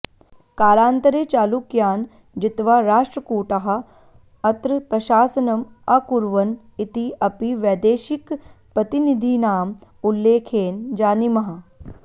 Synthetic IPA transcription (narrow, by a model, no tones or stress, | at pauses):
kaːlaːnt̪ɐɾeːt͡ʃaːlukjaːn | d͡ʒɪt̪ʋaːɾaːʂʈɾɐkuːʈɐɦɐ | ɐt̪ɾpɾɐʃaːsɐnɐm | ɐkuɾʋɐn | it̪iʔɐpiʋɐːd̪eːʃikpɾɐt̪inid̪ʱinaːmulːeːkʰeːnd͡ʒaːnimɐɦɐ